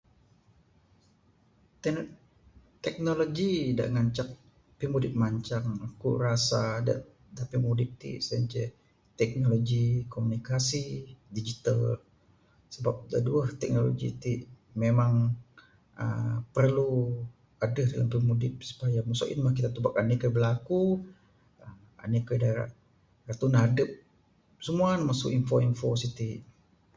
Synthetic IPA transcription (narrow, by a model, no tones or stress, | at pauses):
t̪ɛk̚noloɡida̰ʔŋaɲt͡ʃak̚ | pimudɪp̚maɲt͡ʃaŋakṵrasada̰ʔ | t̪apimudɪp̚t̪ḭʔsaɲt͡ʃɛ | t̪ɛk̚noloɡikomunikasidid͡ʒit̪al | səbap̚daduəht̪ɛk̚nolo̰ɡḭt̪iʔ | memaŋ | ə̰pərlu | adəhda̰lampimudɪp̚su̥pajamusṵʔɪ̰nmahk̬it̪at̪ubak̚anikəbəlaku | əm | a̰nikədaɾa̰ʔ | rat̪unadəp̚ | səmuanmasʊ̰kinfoinfosit̪iʔ